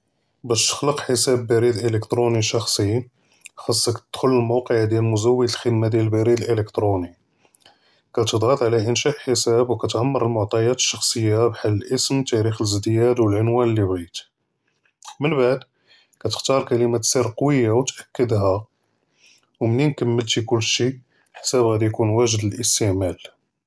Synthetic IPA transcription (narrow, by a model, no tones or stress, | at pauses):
bæʃt̪ə̥xləqħəsæbːæɾid̪ʔələkt̪ɾuniʃɑxsˤi | xɑsˤːɑkt̪əd̪̥xʊlːəlmɑwqəʕd̪jælmʊzæwːəd̪əlxəd̪mad̪jælbæɾid̪əlʔələkt̪ɾuni | kæt̪əd̪ˤɣɑt̪ˤʕlæʔənʃæʔħəsæbwkæt̪ʕamːɑɾˤəlmʊʕt̪ˤɑjɑt̪ə̥ʃːɑxsˤəjːabħalːəlʔəsmt̪æɾixləzd̪jæd̪wəlʕʊnwænlːibit̪ | mənbaʕd̪ | kæt̪ə̥xt̪ɑɾˤkæləmæt̪siɾqɑwəjːawt̪ʔækːəd̪ɦæ | wmninkəmːəlt̪ikʊlːʃi | ħsæbɣæd̪ijkunwæʒəd̪əlʔəst̪əʕmæl